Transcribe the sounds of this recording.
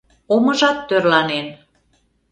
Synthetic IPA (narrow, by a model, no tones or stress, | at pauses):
oməʒɑt̪ːørlɑnen